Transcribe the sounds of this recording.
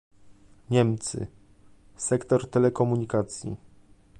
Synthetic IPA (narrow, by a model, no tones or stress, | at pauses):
ɲɛmt̪sɘ̰ | sɛkt̪ɔɾt̪ɛlɛkɔmuɲikat̪sʲjḭ